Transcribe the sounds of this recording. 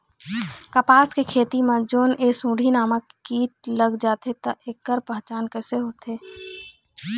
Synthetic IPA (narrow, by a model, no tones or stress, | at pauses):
kəpaːskekʰeːt̪imãd͡ʒoːneːsũːɖʱinaːmakkiːʈ̚ləɡd͡ʒaːt̪et̪əʔekːəɾpəɦt͡ʃaːnkəseɦoːt̪eː